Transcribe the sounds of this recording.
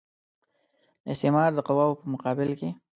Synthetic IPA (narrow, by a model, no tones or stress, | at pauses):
ɪst̪ɪmɑɾd̪əqawɑwpəmʊqɑbɪlke